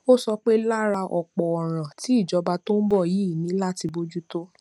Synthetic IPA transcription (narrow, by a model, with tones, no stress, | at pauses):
o˦sɔ˧k͡pe˦la˦ɾa˧ʔɔ˨k͡pɔ˨ɔ˨ɾ̃ã˨ti˨˦i˦˨d͡ʒɔ˧˦ba˧to˦n̩˦bɔ˦˨ji˨˦i˦˨nĩ˨˦la˦ti˧bo˦d͡ʒu˦to˦